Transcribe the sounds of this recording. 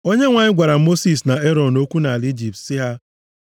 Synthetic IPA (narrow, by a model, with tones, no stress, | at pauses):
o˦ɲe˦ŋʷa˨ɲɪ˦ɡʷa˨ɾa˨mo˦si˨sna˨e˦ɾɔ˨do˦kʷu˦na˨a˨li˦d͡ʒi˨p̚tsɪ˦ɦa˦